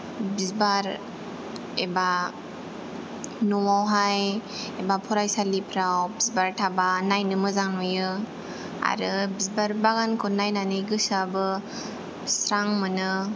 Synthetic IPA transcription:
bizbaɾ | eba | nuwawɦaj | ebapʰɔɾajsalipʰɾawbizbaɾtʰabanajnɯmɯzaŋnojɯ | a̰ɾɯbizbaɾbaɣankʰɯnajnanɯjɡɯsabɯ | sɾaŋmɯnɯ

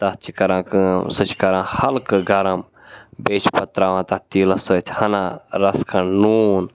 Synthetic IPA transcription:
t̪ɐtt͡ʃʰikɐɾãːkɨsɨt͡ʃʰi̥kɐɾãːhɐlkɨɡɐɾɐm | beːt͡ʃpɐt̪ɾaːʋãːt̪ɐt̪iːlɐsət̪ʲʰhɐnaɾɐskʰɐnnuːn

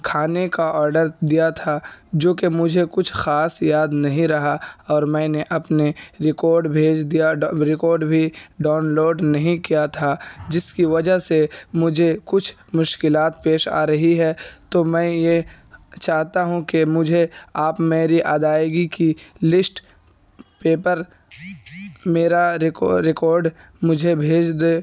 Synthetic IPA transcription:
kʰaːnekaɔːɾɖəɾd̪ijat̪ʰad͡ʒoːkemʊd͡ʒʱekʊt͡ʃʰxaːsjaːd̪nɐɦĩɾɐɦaɔːɾmɛ̃ːneʔɐpneɾɪkɔːɾɖbʱeːd͡ʒd̪ijaɾɪkɔːɾɖbʱiɖaːnloːɖnɐɦĩkijat̪ʰad͡ʒɪskiʋɐd͡ʒəɦsemʊd͡ʒʱekʊt͡ʃʰ | mʊʃkɪlaːt̪peːʃa̰ːɾɐɦiɦɛːt̪oːmɛ̃ːje | t͡ʃaːɦt̪aɦũkemʊd͡ʒʱeaːpmeːɾiʔaːd̪aːjɡikilɪsʈ | peːpəɾ | meːɾaɾɪkɔːɾɖ | mʊd͡ʒʱebʱeːd͡ʒd̪eː

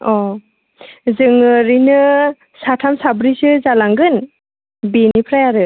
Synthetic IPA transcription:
ɔ | zɯŋɯɾinɯ | satʰamsabɾisɯzalaŋɡɯn | binipʰɾajaɾɯ

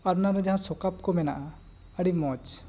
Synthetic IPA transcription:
aɾnaɾɛd͡ʒaɦãsɔkap̚kɔmɛna̰ʔa | əɽimɔt͡ʃ

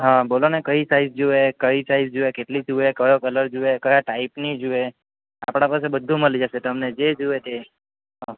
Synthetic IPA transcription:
ɦãbolonekəisaizd͡ʒuekəisaizd͡ʒuʋekeʈlid͡ʒuekəjokələɾd͡ʒuekəjaʈaipnid͡ʒue | a̰pɽ̃apas̬ebəd̪ʱːũməlid͡ʒaʃet̪əmned͡ʒed͡ʒuet̪e | ɦã

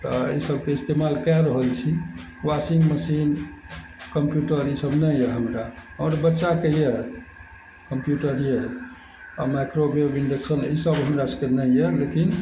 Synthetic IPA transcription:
t̪ɔə̰isəb̚keist̪emalkɛɾəɦəlt͡ʃʰi | wasiŋɡməsin | kəmpjuʈəɾisəbnəjjɛɦəmɾaɔɾbətːʃakejɛ | kəmpjuʈəɾjɛ | ɔmajkɾobiəbiɳɖeksənisəbɦəmɾasə̥kenəjɛlekin

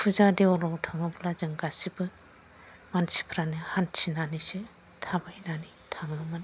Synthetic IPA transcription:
pʰuzadeɔlɔwtʰaŋɯblazɯŋɡasibɯ | mansi̥pʰɾanɯhantʰinanise | tʰabajnani | tʰaŋɯmɯn

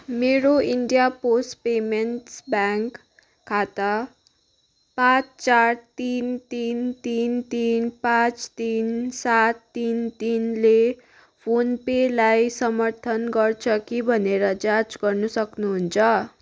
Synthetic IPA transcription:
meɾoiɳɖijaposʈpemenʈsbaŋkʰː | at̪a | pãt͡st͡sart̪int̪int̪int̪inpãt͡st̪insat̪ːint̪inle | pʰonpelajsʌmʌrt̪ʰʌnɡʌrt͡sʰʌkibʱʌneɾʌd͡zat͡sɡʌrnusʌknuɦunt͡sʰʌ

